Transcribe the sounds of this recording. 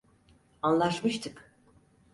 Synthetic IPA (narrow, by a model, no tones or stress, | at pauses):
ɑnlˠɑʃmɯʃt̪ʰɨk